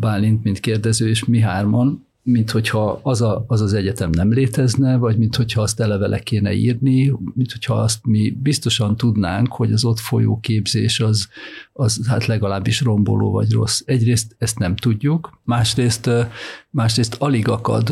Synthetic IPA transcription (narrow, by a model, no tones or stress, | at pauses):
baːlint̪mint̪keːrd̪ɛzøːeːʃmiɦaːrmon | mint̪ho̞chɒɒzɒːzɒzɛɟɛt̪ɛmnɛmleːt̪ɛznɛvɒɟmint̪ho̞chɒːst̪ɛlɛvɛlʔɛ̰keːnɛ̰ḭːrnimint̪ho̞cʰhɒɒst̪mibist̪o̞ʃɒnt̪ud̪naːŋkho̞ɟɒzo̞t̪fo̞jo̰ːkeːbzeːʃɒzɒzhat̪lɛɡɒlaːbːiʃro̞mbo̰lo̰ːvɒ̰ɟro̞̰sːɛɟreːst̪ɛst̪nɛmt̪uɟːukmaːʃreːst̪maːʃreːst̪ɒliɡɒkɒ̰d̪